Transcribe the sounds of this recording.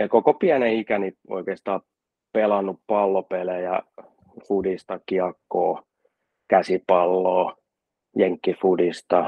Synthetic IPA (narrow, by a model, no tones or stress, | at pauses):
ɑkokopiæneikænio̰ikeˑːst̪ɑː | pelɑnːuppɑlːopelejæ̰ | fudist̪ɑkiɑkːoː | kæsipɑlːoː | jeŋkːifudist̪ɑ